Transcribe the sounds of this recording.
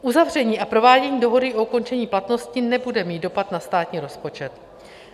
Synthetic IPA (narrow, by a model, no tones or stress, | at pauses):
ʔuzavr̝ɛɲiːʔapɾo̞vaːɟɛɲiːdo̞ɦo̞dɪʔouko̞nt͡ʃɛɲiːplat̪no̞scɪnɛbudɛmiːt̪do̞pat̪nast̪aːt̪ɲiːɾo̞spo̞t͡ʃɛt̪